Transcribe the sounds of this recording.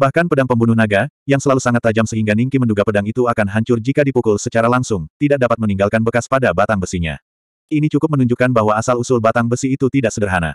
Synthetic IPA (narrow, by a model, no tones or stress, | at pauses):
bahkanpədaŋpəmbunuhnaɡajaŋsəlalusaŋat̪ːad͡ʒamsəɦiŋɡaniŋkimənduɡapədaŋit̪uakanɦaɲt͡ʃʊrd͡ʒikadipukʊlsət͡ʃaɾalaŋsʊŋt̪idak̚dapat̪məniŋɡalkanbəkaspadabat̪aŋbəsiɲa̰ | init͡ʃukʊp̚mənuɲd͡ʒukːanbaɦwaːsalusʊlbat̪aŋbəsiːt̪ut̪idaʔsəɡərɦana̰